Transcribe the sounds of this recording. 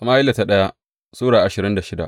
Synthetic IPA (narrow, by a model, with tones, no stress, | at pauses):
ʔa˨maː˦ʔɪ˦lːa˨ta˦ɗɐ˦ja˦ | sʼuː˦ɽaː˨ʔa˨ʃɪ˨ɾɪ˦nda˨ʃɪ˦da̰˨ʔ